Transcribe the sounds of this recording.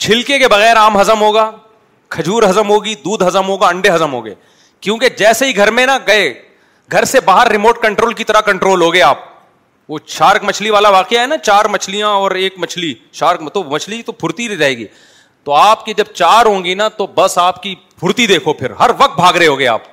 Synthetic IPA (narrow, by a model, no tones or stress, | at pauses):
t͡ʃʰɪlkekebɐɣɛːɾaːmɦɐzəmɦoːɡaː | kʰɐd͡ʒʱuːɾɦɐzəmɦoːɡid̪uːd̪ʱɦɐzəmɦoːɡaɐ̃ɳɖeɦɐzəmɦo̰ːɡḛː | kjõːked͡ʒɛːseɦiɡʱɐɾmẽnaɡɐe | ɡʱɐɾsebaːɦəɾːɪmoːʈ̚kɐ̃ɳʈɾoːlkit̪ɐɾakɐ̃ɳʈɾoːlɦoːɡɐeaːp̚ | ʋoːʃaːɾkmɐt͡ʃʰliʋaːlaʋaːqejaɦɛnat͡ʃaːɾmɐt͡ʃʰlijãɔːɾeːkmɐt͡ʃʰli | ʃaːɾkt̪omɐt͡ʃʰlit̪opʰʊɾt̪iɾɾɐɦeːɡḭː | t̪oaːpkid͡ʒɐb̚t͡ʃaːɾɦõːŋɡinat̪obɐsaːpki | pʰʊɾt̪id̪eːkʰopʰɪɾɦɐɾʋɐk̚t̪̚bʱaːɡɾɐɦeɦoːɡea̰ːp̚